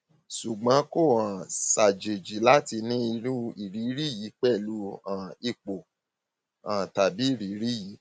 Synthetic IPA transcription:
ʃu˨ɡ͡bã˨˦ko˦˨ã˨sa˨d͡ʒe˨d͡ʒi˨˦la˦ti˧nĩ˦i˧ɾu˦i˨ɾi˨˦ɾi˦ji˨˦k͡pɛ˦˨lu˨˦ã˨i˧k͡po˨ | ã˨ta˨bi˨˦i˦˨ɾi˨˦ɾi˦ji˨˦

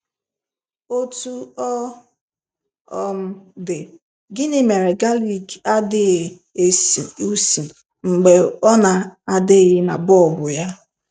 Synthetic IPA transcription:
o˦tu˦ɔ˦ | ɔ˨m̩˦dɪ˨ | ɡɪ˦nɪ˦me˨ɾe˨ɡa˦li˨ɡa˦dɪ˦˨ | e˦˨si˨u˦si˨ | ŋ͡m̩˨ɡ͡be˨ɔ˦na˨a˦dɪ˦ɣɪ˦na˨bɔ˦ɔ˨bʊ˨ja˦

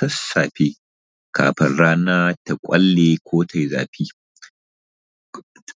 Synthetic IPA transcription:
tɐ˦sːaː˨ɸeː˦ | kʰa̰ː˨ɸɪ̰˨nɽaː˦naː˦ta˨kʷʼɐ˦lːe˨kʷoː˦tʰa˨jza̰ː˨ɸiː˦

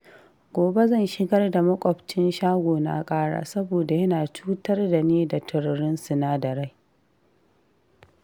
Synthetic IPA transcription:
ɡʷoː˨be˦zɐ˦˨nʃɪ˦ɡɐ˦rda˨mɐ˦kʷʼɔ˨ɸt͡ʃɪ˦nʃaː˦ɡʷoː˨na̰ː˦kʼaː˦ɽa̰ː˦˨sɐ˦boː˨da˨jɐ˦naː˨t͡ʃuː˦tɐ˦rda˨neː˦da˨tʰɪ˨ɽɽɪ˦nsʊ˨naː˦dɐ˨ɽa˦j

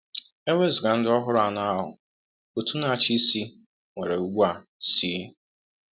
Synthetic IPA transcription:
e˦wʷe˦zʊ˨ɡa˨n̩˦dɪ˦ɔ˦ɦʊ˦ɾʊ˦a˨na˦a˦ɦʊ̰˨ | ku˨tu˦na˦a˨t͡ʃi˦si˦ | ŋʷe˨ɾe˨u˨˦ɡ͡bʷu˦a˨ | siː˨˦

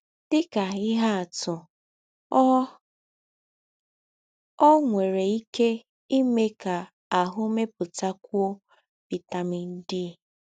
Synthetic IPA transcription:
d̥ɪ˦ka˨ɪ˦ɦa˦a˨tʊ˨˦ | ɔ˦ŋʷe˨ɾe˨i˦ke˦ | i˦me˦ka˨ | a˨ɦʊ˦me˦pʊ˨ta˦kʷu˦o˦ | pɪ˨ta˨mi˦n̩˦dɪ˦˨

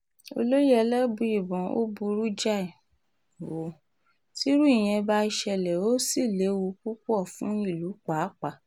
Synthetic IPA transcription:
o̰˧lo˦jɛ˦˧lɛ˦bu˧i˨bɔ̃˨o̰˦bu˧ɾu˦d͡ʒa˦˨ | wo˨ | ti˦ɾu˦i˦˨j̃ɛ̃˧ba˧˦i˧ʃɛ˧˨lɛ˨o˦si˦˨le˨˦wu˧ku˦ku˦ɔ˦˨fũ˦i˦˨lu˨˦k͡pa˨˦k͡pa˨

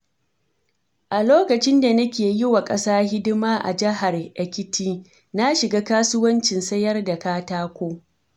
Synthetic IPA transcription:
ʔa˨loː˦kɐ˨t͡ʃɪ˦nda˨nɐ˦kʲeː˨jɪ˦wa˨kʼɐ˦saː˦hɪ˦dɪ˦maː˦ʔa̰˨d͡ʒɪ˦ɦa˨rʔɐ˨kʲɪ˦tʰiː˦ | na˦ʃɪ˨ɡaː˦kaː˦sʊ˦wɐ˦nt͡ʃɪ˨nsɐ˦jɐ˦rda˨kaː˦taː˦kʷoː˦

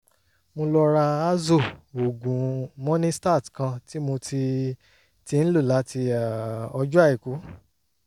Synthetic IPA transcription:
mõ˧lɔ˧ɾa˧a˦zo˦˨o˨ɡũ˨mɔ̃˦nĩ˦sta˦˨tkã˧ti˦mo˧ti˧ | ti˧ñ̩˦lu˦˨la˨˦ti˧a˨ɔ˧d͡ʒu˦a˦˨i˨ku˨˦

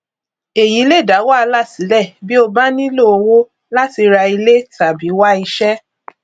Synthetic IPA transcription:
e˨jĩ˨˦le˦˨da˨˦wa˦a˧la˦˨si˨˦lɛ˦˨bi˦o˧ba˦nĩ˦lo˦˨o˧wo˦ | la˦ti˧ɾa˧i˧le˦ta˨bi˨˦wa˦i˧ʃɛ˦

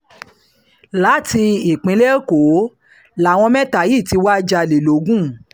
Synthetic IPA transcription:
la˨˦ti˧i˨k͡pĩ˨˦le˦ko˨˦ | la˨w̃ɔ̃˧mɛ̃˦ta˨ji˦˨ti˨˧˦wa˦d͡ʒa˧˨le˨lo˨˦ɡũ˦˨

